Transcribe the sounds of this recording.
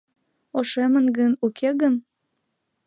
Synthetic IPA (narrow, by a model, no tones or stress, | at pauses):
oʃemənɡənukʰeɣən